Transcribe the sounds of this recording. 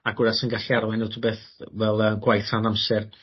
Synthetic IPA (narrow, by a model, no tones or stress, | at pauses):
aɡwɪɾasənɡaɬiaɾwɛnɛwtʰubeːθvɛlˠəːɡwajθranamsɛr